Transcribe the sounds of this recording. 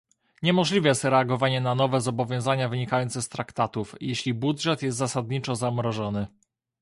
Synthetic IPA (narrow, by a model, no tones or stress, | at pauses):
ɲɛmɔʐlʲivɛjɛst̪ɾɛaɡɔvaɲɛnanɔvɛzɔbɔvʲjɔ̃w̃zaɲavɘɲikajɔnt̪sɛst̪ɾakt̪at̪ufjɛɕlʲibudʐɛt̪jɛst̪zasad̪ɲit͡ʂɔzamɾɔʐɔnɘ